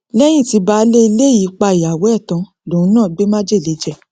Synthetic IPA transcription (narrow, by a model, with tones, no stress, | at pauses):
lɛ˦j̃ĩ˦˨ti˨˧˦ba˧˦le˦i˧le˦ji˨˦k͡pa˧i˨ja˨wo˨˦ɛ˦˨tã˧ | lo˨ũ˧˦nãː˦˨ɡ͡be˦mã˦d͡ʒe˦˨le˨˦d͡ʒɛ˦˨